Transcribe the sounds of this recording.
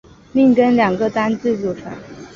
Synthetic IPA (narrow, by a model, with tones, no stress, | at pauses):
mi˥˩ŋkə˥nljɑ˨˩ŋɡə˧t̪a˥nt͡sɹ̩˥˧ʈ͡ʂu˥˩ʈ͡ʂʰwa̰˨˩˦n